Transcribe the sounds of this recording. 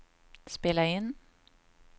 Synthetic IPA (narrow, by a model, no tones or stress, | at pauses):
spɪləɪn